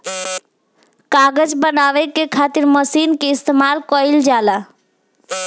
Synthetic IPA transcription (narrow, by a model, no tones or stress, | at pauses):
kaɡəd͡ʒbənaʋɛkekʰat̪iɾməsinkeist̪emalkəjld͡ʒala